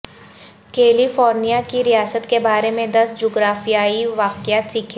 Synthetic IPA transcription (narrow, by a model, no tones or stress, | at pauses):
keːlifɔːɾnijakiɾijaːsət̪kebaːɾemẽd̪ɐsd͡ʒoːɡɾaːfijaːiʋaːkɪjaːt̪siːkʰ